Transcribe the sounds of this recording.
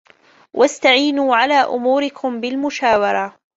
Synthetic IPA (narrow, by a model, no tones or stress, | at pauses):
wʔast̪aʕiːnuːʕalaːʔʊ̰muːɾɪkʰʊmbɪlmʊʃaːwɑɾˤɑ